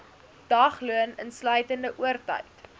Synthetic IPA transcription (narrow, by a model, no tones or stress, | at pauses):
d̥ɐχluənənslœɥtəndəʔuərtə̰ɥt